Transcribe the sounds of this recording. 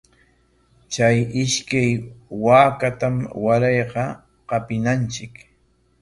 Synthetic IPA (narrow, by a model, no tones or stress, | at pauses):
t͡ʃajɪʃkajwaːkat̪amwaɾɑjqɑ | qɑpɪnant͡ʃɪk